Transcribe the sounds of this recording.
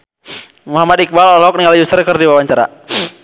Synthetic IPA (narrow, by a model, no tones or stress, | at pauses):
muɦamad̪ik̚ballɦɔk̚niŋaljusərkərdiwawaɲt͡ʃaɾa̰